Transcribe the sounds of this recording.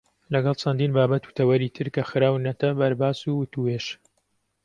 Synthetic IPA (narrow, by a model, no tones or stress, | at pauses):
lɐɡɐlˠt͡ʃʰɐnd̪iːnbaːbɐt̪u̥t̪ʰɐwɐɾiːt̪ʰɨɾkɐxɨɾaːwnɐt̪ʰɐbɐɾbaːsuwʊt̪ueʃ